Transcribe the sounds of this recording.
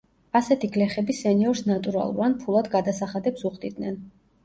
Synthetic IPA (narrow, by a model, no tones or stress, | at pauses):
asɛt̪ʰiɡlɛχɛbisɛniɔɾsnat̪ʼuɾa̰lˠṵvanpʰulˠad̪ɡad̪asaχad̪ɛpsuχd̪id̪nɛn